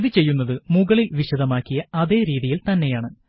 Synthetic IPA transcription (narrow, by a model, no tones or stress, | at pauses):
ðit͡ɕe̞jːun̪ːɐðɨmuɣɐɭilʋiɕɐðɐmaːkːijɐɐðe̞ːɾiːðijilt̪ɐnːe̞jaːɳɨ